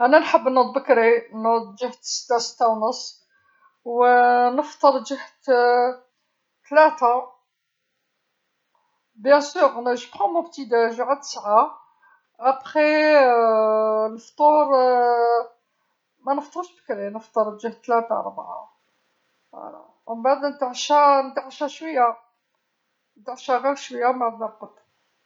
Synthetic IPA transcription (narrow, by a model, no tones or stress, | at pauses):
ʔænænħəbːnəd̪̚ˤbəkɾinəd̪d͡ʒəht̪sə̥t̪ːasə̥t̪ːawnəsˤː | wnəft̪ˤːəɾˤd͡ʒəht̪ | t̪læt̪a | bjæ̃syɣnæʒəbxɑmʊbt̪id̪aʒʕat̪ə̥sʕa | ʔæbχe | nəft̪ˤuɾ | mænəft̪ˤoɾʃbəkɾinəft̪ˤəɾˤd̪ʒæht̪ːlæt̪a̰ɾˤbʕa̰ | la̰ | mmbaʕd̪nət̪aʕʃanəd̪aʕʃæʃwəjːa | nət̪aʕʃaɣiɾʃwəjːambaʕd̪nabəd̪